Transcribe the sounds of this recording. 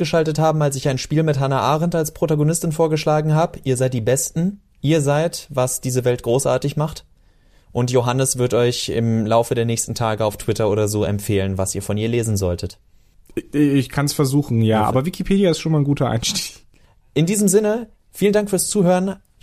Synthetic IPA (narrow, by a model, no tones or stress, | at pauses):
ɡ̥əʃaltəthaːbm̩alsɪçaɪnʃpiːlmɪthanaʔaːʁɛntalspʁ̥otaɡonɪstɪnfoːɐɡəʃlaːɡŋ̩ɦaːbəʔiːɐzaɪt̚d̥iːbɛstn̩ | ʔiːɐzaɪtvasd̥iːzəvɛlt̚ɡ̥ʁoːsʔa̰ːɐtɪçmaχt | ʔʊntjoɦanəsv̥ɪɐtɔʏçɪ̰mlaʊfədeːɐnɛːçstn̩tʰaːɡəaʊftʰw̥ɪtɐʔoːɾɐzoːʔɛ̰mpfeːlənvasiːɐfɔniːɐleːzn̩zɔltʰət | ɪçkʰansfɛɐzuːxn̩jaːʔa̰ːbɐvɪkipʰeːdjaɪstʃoːnmaɪnɡuːtʰɐʔa̰ɪnʃti̥ːç | ʔɪndiːzəmzɪnə | fiːləndaŋkfyːɐst͡suːhøːʁn